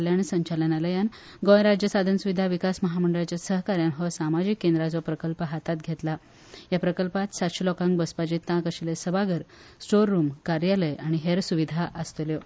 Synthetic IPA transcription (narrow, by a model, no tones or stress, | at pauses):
ljaɳ̃sə̃ɲt͡ɕalənaləjan | ɡõjɾad͡ʑjəsad̪ʱənsuʋid̪ʱaʋikasməɦaməɳɖəɾat͡ɕjasəɦkaɾjanɦəsamad͡ʑikːend̪ɾad͡zɔpɾəkəlpəɦat̪at̪̚ɡʱet̪la | japɾəkəlpat̪sat̪ɕilɔkãŋɡbəspad͡ʑit̪ːãkəɕilesəbaɡəɾsʈoɾːumkaɾjaləjaɽ̃iɦeɾsuʋid̪ʱaʔəst̪əljo